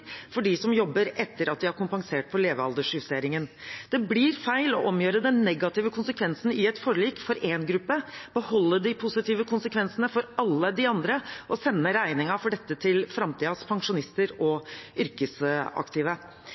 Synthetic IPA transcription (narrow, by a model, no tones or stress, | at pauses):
fɔɖɪsɔmjɔbːəɾɛt̪ːəɾɑt̪̚d̪ɪhɑɾkʊmpɑŋseːʈ̚pʰɔɭeːʋəɑld̪əʂʉfseːɾɪŋənd̪̥ɛblɪɾfæɪlɔʔɔmjøːɾəd̪ɛnːɛɡɑt̪ɪːʋəkʰʊnsəkʰʋɛnsn̩ɪɛt̪fɔɾɭiːkfɔɾeːnɡɾʉpːəb̥əhɔlːəd̪ɪpʰʊsɪt̪iːʋəkʰʊnsəkʰʋɛnsənəfɔɾɑlːəd̪ɪɑnd̪ɾəʔɔsɛnːəɾæɪnɪŋɑfɔɖɛt̪ːət̪ʰɪlfɾɑmt̪ʰiːɑspʰɑŋʂʊnɪst̪əɾɔʏɾkəsɑ̰kt̪ɪːʋə